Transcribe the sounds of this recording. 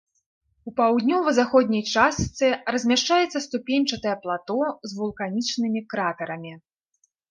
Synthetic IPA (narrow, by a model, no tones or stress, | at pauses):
upawd̪ʲnʲɔvɐzaxɔd̪ʲnʲɐjt͡ʂast̪sɨrɐzʲmʲaʂt͡ʂajɛt̪sːɐst̪upʲenʲt͡ʂɐt̪ɐjɛplˠat̪ɔzvulˠkanʲit͡ʂnɨmʲikɾat̪ɐɾɐmʲi